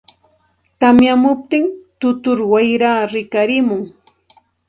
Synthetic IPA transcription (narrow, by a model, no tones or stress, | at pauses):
t̪amjamʊp̚t̪ɪŋt̪ʊt̪ʊɾwajɾaːɾɪkaɾɪmʊŋ